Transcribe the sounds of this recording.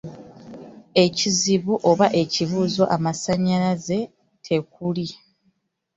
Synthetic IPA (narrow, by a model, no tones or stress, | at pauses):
e̞ciziβuʔo̞βaʔe̞ciβuːzo̞ʔamasaɲːalaze̞ | tʰe̞k̚uli